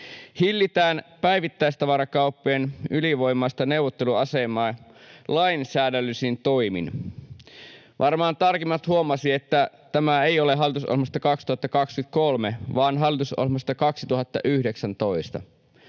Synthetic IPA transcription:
hilːit̪æːnpæjʋit̪ːæist̪ɑʋɑɾɑkɑupːeːnyliʋo̞jmːˑɑist̪ɑne̞wʋot̪ːeluɑsemˑɑːlɑinsæːdælːysint̪o̞imḭn | ʋʔɑrmɑːnt̪ɑrkimːɑt̪huomɑsie̞t̪ːæ | t̪æmæeioleɦɑlːˑit̪usʔo̰lhmɑst̪ɑkɑksi̥t̪uhɑt̪ːɑkɑkskyt̪̚kolmeʋɑːnɦɑlːit̪uso̰lmɑst̪ɑkɑksit̪uhɑt̪ːɑ̰ʔyhdeksænt̪o̞ist̪ɑ̰

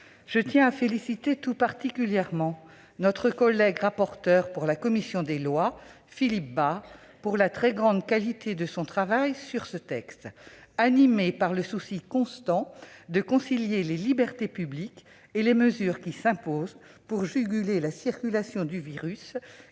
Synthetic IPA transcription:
ʒ̥ət̪jɛ̃afelisit̪et̪upaʁt̪ikʲyljɛʁmɑ̃ | nɔt̪χəkɔlɛɡʁapɔʁt̪œʁpuʁlakɔmisjɔ̃d̪elwa | filip̚baʁ | puʁlat̪χɛɡʁɑ̃d̪kalit̪ʰed̪əsɔ̃t̪χavajsyʁsət̪ɛkst̪animepaʁləsusikɔ̃st̪ɑ̃d̪əkɔ̃siljelelibɛʁt̪epyblik | eleməzyːʁkʲisɛ̃poz | puʁʒyɡʲylelasiʁkʲylasjɔ̃d̪yviʁys

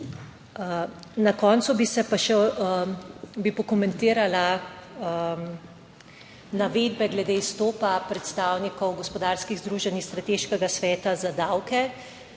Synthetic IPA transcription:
nakɔːntsubisɛpaʃɛ | bipɔkɔmɛnt̪iːɾala | naʋeːd̪bɛɡlɛd̪eːist̪oːpapɾɛt̪st̪aːwnikɔwɡɔspɔd̪aːɾskiɣzd̪ɾuːʒɛnist̪ɾat̪eːʃkɛɡasʋɛːt̪azad̪awkɛ

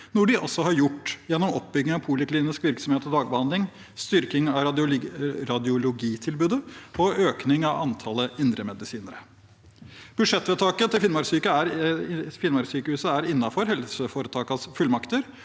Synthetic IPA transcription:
nɔɖɪʔɔ̰sːɔhɑɾjʊʈːjɛnːɔmɔp̚ːbʏɡ̪ːɪŋɑpʰuːləkliːnɪskʋɪɾksɔmheːt̪ɔd̪ɑːɡbəhɑnd̪lɪŋ | st̪ʏɾkɪŋɑ | ɾɑd̪ɪʊlʊɡiːt̪ʰɪlbʉːd̪əɔøːknɪŋɑʋɑnt̪ʰɑləɪnd̪ɾəmɛd̪ɪsiːnəɾə | b̥ʉd̪ʂɛt̪ːʋɛːt̪ʰɑːkət̪ʰɪlfɪnmɑɾsyːkəæɾfɪnmɑɾsyːkəhʉːsəæɾɪnːɑfɔɾɦɛlsəfoːɾət̪ʰɑːkɑsfʉlmɑkt̪əɾ

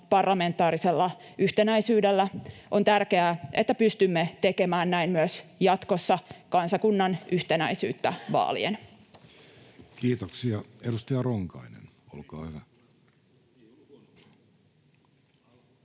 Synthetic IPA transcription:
pɑrlɑme̞nt̪ːˑɑːɾise̞lːɑ | ʔyht̪enæjsyːdelːæʔo̞nt̪ærke̞æʔet̪ːæpyst̪ymːet̪e̞ke̞mæːnnæimmyøsjɑt̪ko̞sːɑkɑnsɑkunːɑnʔyht̪e̞næ̰jsyːt̪ːæʋɑ̰ːlḭen | kiːt̪oksiɑedust̪ɑjɑroŋkɑ̰inḛn | o̰lkɑ̰ːhyʋæ

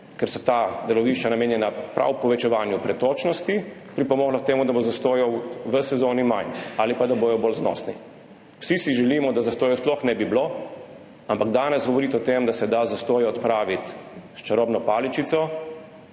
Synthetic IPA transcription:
kɛɾsɔt̪ad̪ɛlɔʋiːʃt͡ʃanameːnjɛnapɾʔa̰wpɔʋɛt͡ʃɛʋaːnjupɾɛt̪oːt͡ʃnɔst̪ipɾipɔmɔːɣlɔkt̪eːmud̪abozast̪oːjɔwʋəsɛzoːnimajnalipad̪abojɔboːlznɔ̰ːsnḭ | wsisiʒɛliːmɔd̪azast̪oːjɔsplɔxnɛbiblo | ampaɡd̪aːnɛsɡɔʋɔɾiːt̪ɔt̪emd̪asɛd̪azast̪oːjɛɔt̪pɾaːʋit̪ʃt͡ʃaɾoːbnɔpaːlit͡ʃit̪sɔ

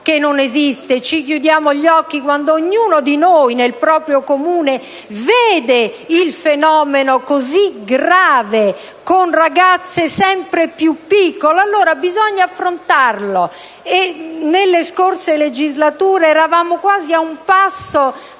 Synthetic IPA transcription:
kenːonezist̪et͡ʃik̬jud̪jaːmoʎɔkːikwand̪oːɲːuːnod̪inojnelpɾɔːpɾjokomuːne | veːd̪eilfenɔːmenokoziɡɾaːve | konraɡat̪sːesɛmpɾepjupːikːoloalːoːɾabizɔɲːaafːɾont̪arlo | enelːeskorseled͡ʒizlat̪uːɾeɛɾavaːmokwaːziaumpasːo

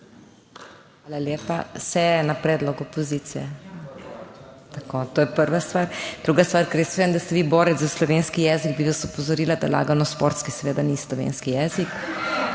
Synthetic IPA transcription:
xaːlaljeːpasɛjɛnapɾɛːd̪lɔɡɔpɔzit̪sijɛ | t̪akot̪oːjɛpəɾʋast̪ʋaːɾd̪̥ɾuɡast̪ʋaːɾkɛɾjɛsʋeɛnd̪ast̪ɛʋiːbɔːɾɛt̪zzaslɔʋeːnskijɛːziɡ̚biʋasɔpɔzɔɾiːlad̪ala̰ːɡanɔspoɾt̪skisɛʋeːd̪anislɔʋḛːnskijɛzik

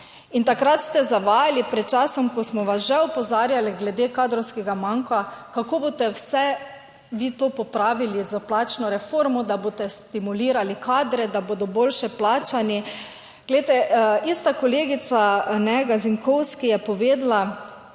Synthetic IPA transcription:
int̪akɾat̪st̪ɛzaʋaːjalipɾɛt̪̚t͡ʃaːsɔmkɔsmɔʋasʒɛɔpɔzaːɾjaliɡlɛd̪eːkaːd̪ɾɔwskɛɡamaŋkakakoːbot̪ɛwsɛ | ʋiːt̪oːpɔpɾaːʋilizaplaːt͡ʃnɔɾɛfoɾmɔd̪aboːt̪ɛst̪imuliːɾalikʰaːd̪ɾɛd̪aboːd̪ɔbolʃɛplaːt͡ʃani | ɡ̥let̪ɛist̪akɔleːɡit̪sanɛɡaziŋkɔwskijɛpɔʋeːd̪la

